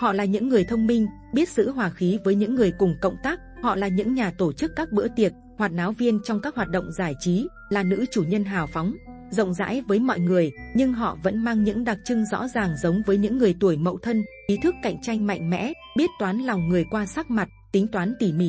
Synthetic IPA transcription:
hɔ̰˧˨laː˨˩ɲɨ̰˧˥ŋːɨ˨˩əjt̪ʰə˧wŋ͡mmï˧ŋ̟ | ɓi˦˥ət̚z̥ɨ̰˧˥ɦwaː˨˩xi˨˦vəː˨˦jɲɨ̰˧˥ŋːɨ˨˩əjkʊ˨˩ŋ͡mkə̰˧˨wŋ͡mt̪aː˦˥k̚hɔ̰˧˨laː˨˩ɲɨ̰˧˥ŋɲaː˨˩t̪o˧˩t͡ɕɨ˦˥kːaː˦˥k̚ɓɨ̰˧˥ət̪i˨˩ət̚hwaː˨˩t̚naː˨˦wvi˧ənt͡ɕɔ˧wŋ͡mkaː˦˥k̚hwaː˨˩t̚ɗə̰˧˨wŋ͡mzaː˧˩jt͡ɕi˨˦ | laː˨˩nɨ̰˧˥t͡ɕu˧˩ɲə˧nɦaː˨˩wfɔ˨˦wŋ͡m | zə̰˧˨wŋ͡mza̰ː˧˥jvəː˨˦jmɔ̰˧˨jŋɨ˨˩əjɲɨ˧ŋɦɔ̰˧˨və̰˧˥nmaː˧ŋɲɨ̰˧˥ŋɗa˨˩k̚t͡ɕɨ˧ŋzɔ̰˧˥zaː˨˩ŋzə˨˦wŋ͡mvəː˨˦jɲɨ̰˧˥ŋːɨ˨˩əjt̪u˧˩əjmə̰˧˨wt̪ʰə˧nʔi˨˦t̪ʰɨ˦˥kːa̰˧˨jŋ̟t͡ɕa˧jŋ̟ma̰˧˨jŋ̟mɛ̰˧˥ | ɓi˦˥ət̚t̪waː˨˦nlɔ˨˩wŋ͡mŋɨ˨˩əjkwaː˧saː˦˥k̚ma˨˩t̚t̪ï˨˦ŋ̟t̪waː˨˦nt̪i˧˩mḭ˧˩

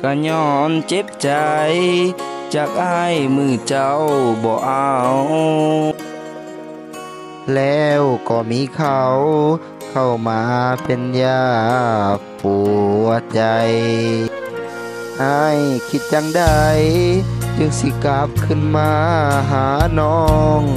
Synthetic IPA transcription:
ka˧˩ɲɔː˧˩nt͡ɕe˧˦p̚t͡ɕa˨˧j | t͡ɕa˧˩k̚ʔa˧˩˨jmɯː˧˩t͡ɕa˧˩wbɔː˧˦ʔa˧w | lɛː˧wkɔː˧˩miː˧˥˨kʰa˧˩w | kʰa˧˩wmaː˧˦pe˧˨njaː˧˩ | puː˨˩a˧˩t͡ɕa˨˧j | ʔa˧˩jkʰi˧t̪̚t͡ɕa˧˨ŋda˧˩jt͡ɕɯ˧ŋsi˧˦ka˧˦p̚kʰɯ˧˩˨nmaː˧ɦaː˨˦nɔː˧ŋ

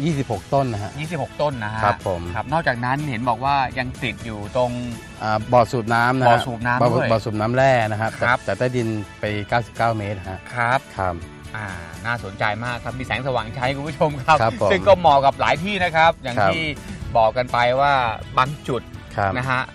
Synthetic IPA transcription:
jiː˥˩si˨˩p̚ho˨˩k̚t̪o˥˩nːa˦˥ha˦˧ʔjiː˥˩si˨p̚ho˨˩k̚t̪o˥˩nːa˦˥ɦakɾa˦˥ʔpʰːo˩˦mkʰa˦˥p̚nɔː˥˩kt͡ɕaː˨˩k̚na˦˥nhe˩˦nbɔː˨˩k̚waː˥˩ja˧ŋt̪i˨˩t̪̚juː˨˩t̪o˧ŋ | ʔaː˨˩bɔː˨˩t̪̚suː˨˩t̚naː˦˥mna˦ɔː˨˩˦suː˨˩t̪̚naː˦˥mː˧˨˧bɔː˨˩t̪̚suː˨˩t̚naː˦˥mɾɛː˥˩na˦˥kʰa˦˥kt̪ʰːa˦˥p̚t̪ɛː˨˩t̪aː˥˩di˧npa˧jkaː˥˩wsi˨˩p̚kaː˥˩wme˦˥t̪̚ɦa˦˥ʔkʰa˦˥p̚kʰa˦˥p̚ | ʔaː˨˩naː˥˩so˩˦nt͡ɕa˧jmaː˥˩kʰːa˧˦˥p̚miː˧sɛː˩˦ŋsa˧waː˨˩˦ŋt͡ɕʰa˦˥jkʰu˧npʰu˥˩t͡ɕʰo˧mkʰa˦˥p̚kʰɾa˦˥o˦sɯ˥˩mkɔː˥˩mɔː˨˩ka˨˩p̚laː˩˦jt̪ʰiː˥˩na˦˥kʰa˦˥p̚jaː˨˩ŋʰtiː˥˩bɔː˨˩kːa˧npa˧jwaː˥˩baː˧ŋt͡ɕu˨˩t̪̚kʰa˦˥na˦˥kʰa˦˥ʔ

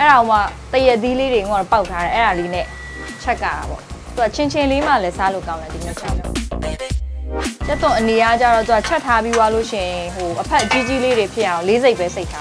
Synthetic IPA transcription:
ʔɛ˦a˨o˨ma˦˨t̪ə˨jɛ˦ʔt̪̬ːi˦le˦ɾe˨ɡũ˦˨a˦˨ɔ˨pa˦ʊtʰːa˦ɾɛ˨ʔɛ˦ɹa˨d̪i˦nɛ̰˦˨ | t͡ɕʰɛ˦ʔka̰˨ɾa̰˨bɔ̰˦˨t̪u˨a˦˨t͡ɕʰɪ̃˨ɲt͡ɕʰɪ̃˨le˦ma˦˨lɛ˦sa˦lo̰˦˨kã˦ʊ̃na˨d̪i˨nɛ˦˨t͡ɕʰã̰˦˨mɔ̰˨ | tɛ˦t̪ːʊ̃˨ʔəne˨ja˦t͡ɕa˦˨ɹɔ˨t̪u˨˦a˦˨t͡ɕʰɛ˦tʰːa˦bi˦wa˦lo˦˨ʃɪ̰̃˨jɪ̃˨ɦo˨ʔəpʰɛ˦ʔət͡ɕi˦t͡ɕi˦le˦ɾe˨pʰjɪ˦ʔã˨ʊ̃le˦ze˦ɪpːɛ˦se˦ɪtʰa˦˨

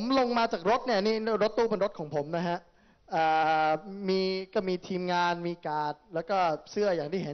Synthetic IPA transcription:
o˩˦mlo˧ŋmaː˧t͡ɕaː˨˩k̚ɾo˦˥t̪̚ni˥˩ɐniː˥˩ɾo˦˥t̪ːuː˥˩pe˧nɾo˦˥t̪̚kʰɔː˩˦ŋpʰo˩˦mna˦˥kʰa˦˥ʔ | ʔaː˨˩miː˧ka˥˩miː˧t̪ʰiː˧mŋaː˧nmiː˧kaː˨˩t̪̚lɛː˦˥wkɔː˥˩sɯ˥˩əjaː˨˩ŋt̪iː˩ɦe˨˦

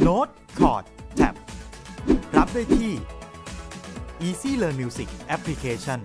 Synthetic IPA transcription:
noː˦˥t̪̚ | kʰɔ̰ː˨˩t̪̚t͡ɕ̪ʰɛ̰˨˩p̚ | ɾa˦˥p̚daː˥˩jt̪ʰiː˥˩ | ʔiː˧siː˥˩lɤː˧nmiː˧wsi˨˩k̚ʔɛ˦˥pʰli˦˥kʰeː˧t͡ɕʰɔ˥˩n

